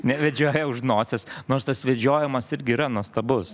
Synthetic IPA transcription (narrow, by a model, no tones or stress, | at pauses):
nʲɛʋʲɛd͡ʒʲoːjɛʊʃnoːsʲɛsnoːɾst̪ɐsʋʲɛd͡ʒʲoːjɪmɐsɪɾʲɡʲɪiːɾɐnuɔst̪ɐbʊs